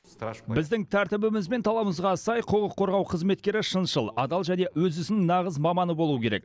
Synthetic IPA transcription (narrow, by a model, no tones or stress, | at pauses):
bɪzd̪ɪŋt̪ʰæɾt̪ɪbɪmɪzbe̞nt̪ʰɑlˠɑbəməzʁɑsɑjqʰoʁəqʰːo̞ɾʁɑwqʰəzme̞t̪̚kʲe̞ɾɪʃənʃəlˠɑ̰d̪ɑlˠʒæne̞wɵzʏsɪnɪŋnɑʁəzmɑmɑnəbo̞lˠuwəkʰʲe̞ɾek̚